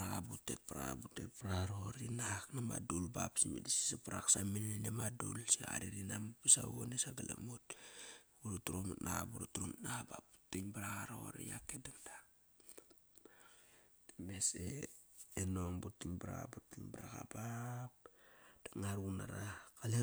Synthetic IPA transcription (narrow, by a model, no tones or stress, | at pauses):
aabutet̚paɾa̰butetpɾaɾoɾinaknamadulbapsimidisi̥sapaɾaksamineneneamadulsia̰ɾiɾinamupisawonesaɡalamut̚ | uɾutuɾomutnaabuɾutuɾomutnaabap̚bu̥tiɲbaɾaɣaɾooɾḭjakedand̥a | d̥emeseː | noŋbutːiɲbaɾa̰a̰butiɲbaɾaɡabap̚d̥aŋaɾuna̰ɾakale